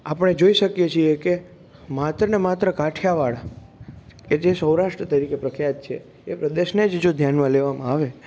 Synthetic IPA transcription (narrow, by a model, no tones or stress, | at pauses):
apəɽ̃ed͡ʒoiʃəkjet͡ʃʰieke | mat̪ɾənemat̪ɾəkaʈʰjaʋaɭa | ked͡ʒesəwɾaʃʈɾət̪əɾikepɾəkʰjat̪̚t͡ʃʰḛ | epɾəd̪eʃned͡ʒd͡ʒod̪ʱjanmãleʋamãaʋe